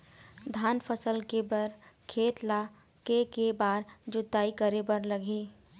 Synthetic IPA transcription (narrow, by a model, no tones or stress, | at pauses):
d̪ʱaːnpʰəsəlkebəɾkʰeːt̪la | kekebaːɾd͡ʒʊd̪aːikəɾebəɾləɡʱeː